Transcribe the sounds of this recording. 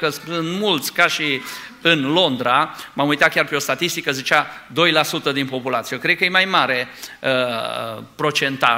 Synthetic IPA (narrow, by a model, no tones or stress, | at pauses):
kəsɨnd̪mult̪sʲkaʃi | ɨnlo̞nd̪ɾamamujt̪at̪̚kʲarpe̞o̞st̪at̪ist̪ikəzit͡ʃad̪o̞jlasut̪əd̪inpo̞pulat̪sijekɾe̥kəjemajmaɾe̞ə | pɾo̞t͡ʃe̞nt̪a̰